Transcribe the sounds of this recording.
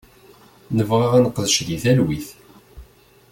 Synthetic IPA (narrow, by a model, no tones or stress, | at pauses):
nəvʁaʁænəqːəðəʃðiθælwiθ